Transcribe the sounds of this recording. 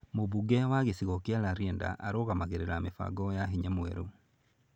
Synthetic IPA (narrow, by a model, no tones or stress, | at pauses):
moβuɡɛwaɣesiɣɔkialaɾjɛnda̰ʔːɾoɣamaɣeɾeɾamefa̰ɡɔjaɦiɲɛmwɛ̰ɾo